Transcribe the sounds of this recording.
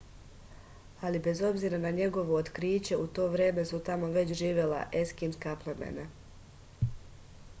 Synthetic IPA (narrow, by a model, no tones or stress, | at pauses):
alibe̞zo̞bziɾanaɲe̞ɡo̞ʋo̞ːt̪kɾiːt͡ɕe̞ut̪o̞ːʋɾe̞ːme̞sut̪amo̞ʋe̞t͡ɕʒiːʋje̞la̰ʔe̞skinskaplemḛna